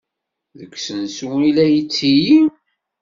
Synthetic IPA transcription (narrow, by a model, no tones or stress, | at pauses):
ðəkːsənsuilæjit͡sːiji